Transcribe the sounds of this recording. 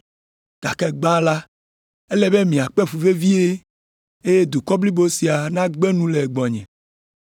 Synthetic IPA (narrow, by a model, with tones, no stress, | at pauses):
ɡ̥a˨kɛ˦ɡ͡bã˦la˦ | e˦lɛ˦be˦mĩ˨a˨k͡pɛ˦fu˨ve˦vi˦e˦ | e˦je˦d̪u˨kɔ˦bli˦bo˦si˨a˨nã˦ɡ͡bɛ˦nũ˦le˨ɡ͡bɔ˨ɲɛ̰̃˨